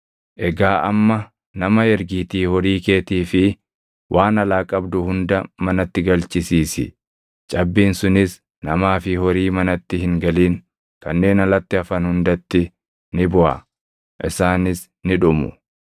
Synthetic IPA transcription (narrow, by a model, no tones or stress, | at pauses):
ʔɛɡaːʔɐmːɐ | nɐmɐɛɾɡiːt̪iːhɔɾiːke̞ːt̪iːfɪ | wʔaːnɐlaːkʼɐbd̪ʊhʊnd̪ɐmɐnɐt̪ːɪɡɐlt͡ʃɪsiːsɪ̰ | t͡ʃʼɐbːiːnsʊnɪs | nɐmaːfɪhɔɾiːmɐnɐt̪ːɪhɪŋɡɐliːŋ | kɐnːe̞ːnɐlɐt̪ːɪɐfɐnhʊnd̪ɐt̪ːɪ | nɪbʊʔɐ̰ | ʔɪsaːnɪs | nɪᶑʊmʊ̰